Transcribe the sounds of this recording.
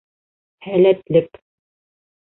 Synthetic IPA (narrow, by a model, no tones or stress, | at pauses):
hælæt̪lɘk